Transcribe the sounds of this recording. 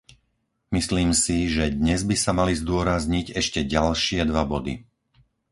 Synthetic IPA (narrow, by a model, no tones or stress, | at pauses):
misliːmsiʒɛd̪ɲɛzbisamalizd̪ʊɔɾazɲiɟɛʃcɛɟalʃɪɛd̪ʋabɔd̪ḭ